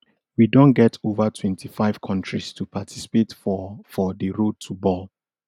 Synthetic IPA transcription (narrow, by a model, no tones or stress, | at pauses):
widɔ̃nɡɛtʰovatʰwɛ̃ntʰifaɪv̥kʰɔ̃ntʰɹistʰupʰatʰi̥si̥petffɔdəɹod̚tʰubɔl